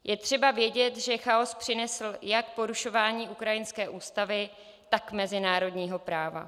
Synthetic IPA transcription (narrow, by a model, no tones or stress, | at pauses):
jʔɛt̪r̥ɛbavjɛɟɛt̪ʒɛxao̞spr̝̥ɪnɛsl̩jakpo̞ɾuʃo̞vaːɲiːʔukɾajɪnskɛːʔuːst̪avɪ | t̪akmɛzɪnaːɾo̞dɲiːɦo̞pɾaːva̰